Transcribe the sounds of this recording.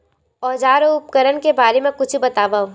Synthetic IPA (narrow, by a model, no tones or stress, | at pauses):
ɔːd͡ʒaːɾoʊp̚kəɾənkebaːɾemẽkʊt͡ʃʰbɐt̪aːʋaːo